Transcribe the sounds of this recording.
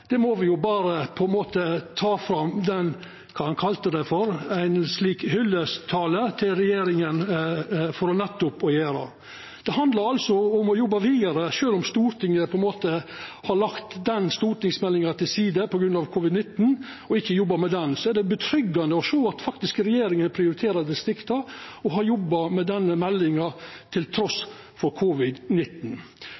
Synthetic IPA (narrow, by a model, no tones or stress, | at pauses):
d̪̥ɛmɔʋɪjʊbɑːɾəpʰɔɛnmoːt̪ət̪ʰɑːfɾɑmd̪ɛn | kʰɑːɑnkʰɑlt̪əd̪ɛfɔɾæɪnsliːkhʏlːəst̪ʰɑːlət̪ʰɪlɾɛjeːɾɪŋən | fɔɾɔnɛt̪ːʊpɔjeːɾɑ̰ | d̪̥ɛhɑnd̪lɑɾɑlsɔɔmɔjɔbːɑʋiːd̪ɑɾəʂøːlɔmst̪uːɾʈ̪ʰɪŋːəpʰɔɛnmoːt̪əhɑɭɑkt̪d̪ɛnːst̪uːɾʈ̪ɪŋsmɛlːɪŋɑt̪ɪlsiːd̪əpʰɔɡɾʉnɑʋkʰʊʋɪd̪nɪt̪ːn | ɔɪkːəjɔbːɑmɛd̪ɛnsɔɛɖɛbət̪ʰɾʏɡːɑnd̪əɔʂoːɑt̪fɑkt̪ɪskəɾɛjeːɾɪŋənpʰɾɪʊɾɪt̪ʰeːɾɑɾd̪ɛst̪ɾɪkt̪ɑɔɦɑɾjɔbːɑmɛd̪ɛnːəmɛlːɪŋɑt̪ʰɪlt̪ʰɾɔs | fɔɾkʰʊʋɪd̪nɪt̪n̩